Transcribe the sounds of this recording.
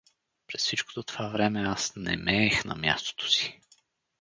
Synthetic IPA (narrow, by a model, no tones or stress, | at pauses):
pɾɛssit͡ʃko̥t̪ot̪ovavɾɛmɛasnɛ̰mɛːxnɐ̰mja̰st̪o̥t̪o̥si̥